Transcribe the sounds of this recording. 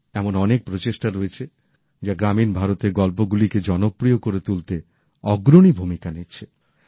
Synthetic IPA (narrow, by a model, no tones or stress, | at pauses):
ɛmonɔnek̚pɾot͡ɕeʃʈaɾoet͡ɕʰe | d͡ʑaɡɾaminbʱaɾot̪eɾɡɔlpoɡuliked͡ʑɔnopɾiokoɾet̪ult̪e | ɔɡɾoɽ̃ibʱumikanitːt͡ɕʰe